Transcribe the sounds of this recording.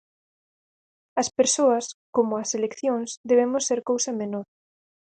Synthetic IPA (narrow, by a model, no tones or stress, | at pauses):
ɐspeɾsoɐskomʊɐselekθjoŋsd̪eβ̞emʊsːeɾkowsɐmenoɾ